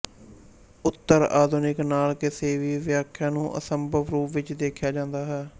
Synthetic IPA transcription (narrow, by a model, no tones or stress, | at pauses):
ʊt̪ːəɾa̰ːd̪ʱuːnɪknaːlkɪseːʋiːʋɪjaːkʰːjãːnũːʔə̰səmbʱəʋɾuːpʋɪt͡ʃd̪eːkʰjaːd͡ʒãːnd̪aːɦɛː